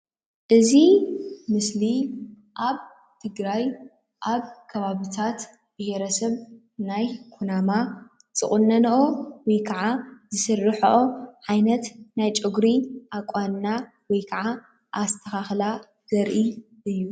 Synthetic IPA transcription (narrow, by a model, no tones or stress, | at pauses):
ʔɨzimɨsli | ʔaβ | t̪ʰɨɡɾaj | ʔaβkʰɐβaβit̪ʰat̪ | b̥ɨheɾɐsɐβ | najkʰunama | t͡sʼɨχʼunːɐnʔowɔjkʰɐʕazɨsɨrːɨħoʔoʕajnɐt̪najt͡ʃʼɪɡɾiʔakʼːanːa | wɔjkʰɐʕa | ʔast̪ʰɐxaxla | z̥ɐɾʔi | ʔɨjːu